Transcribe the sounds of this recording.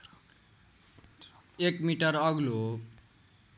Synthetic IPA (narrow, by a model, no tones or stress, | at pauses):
ekmiʈʌɾʌɡlo